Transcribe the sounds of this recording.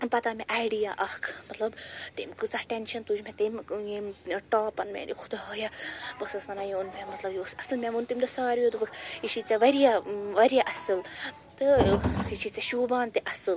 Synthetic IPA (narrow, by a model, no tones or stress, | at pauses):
pɐt̪ameʔaːjɖijaʔɐhkʰmɐt̪lɐbt̪imkɨt͡sahʈenʃɐnt̪ud͡ʒmʲẽt̪imjemʈaːpɐnmʲḛd̪ikʰʊ̥d̪ajabɐsɐsmɐnajẽunmʲemɐt̪lɐbjiosɐsɨlmʲẽʋunt̪imd̪ɐsaːɾjod̪uɡuʈiʃit͡saʋɐɾijaʋɐɾijaʔɐsɨl | t̪ɨhit͡ʃʰit͡sɐʃuːbaːnt̪iʔɐsɨl